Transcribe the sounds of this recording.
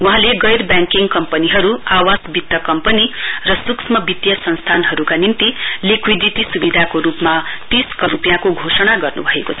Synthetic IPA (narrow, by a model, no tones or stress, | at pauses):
wuɦãleɡʌjrbjãŋkiŋkʌmpʌniɦʌɾuawasbit̪ːjʌkʌmpʌnirʌsuksmʌbit̪jʌsʌnst̪ʰanɦʌɾukanint̪ilikʰwid̪ʱit̪isubid̪ʱakoɾupmat̪iskʌɾupjãkoɡʱosʌɽ̃aɡʌrnṵbʱʌekot͡sʰʌ